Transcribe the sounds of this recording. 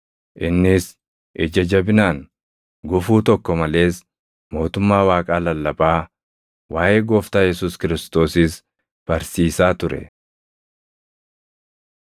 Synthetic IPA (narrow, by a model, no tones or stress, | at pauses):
ʔɪnːɪs | ʔɛd͡ʒɐd͡ʒɐbɪnaːŋ | ɡʊfuːt̪ɔkːɔmɐle̞ːs | mo̞ːt̪ʊmːaːwaːkʼaːlɐlːɐbaː | waːʔe̞ːɡoːft̪aːjɛsuːskɪɾɪst̪o̞ːsɪs | b̥ɐɾsiːsaːt̪ʊɾɛ̰